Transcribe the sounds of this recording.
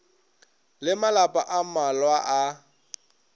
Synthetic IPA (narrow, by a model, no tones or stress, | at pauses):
lɪmalapʼaʔamalwaʔa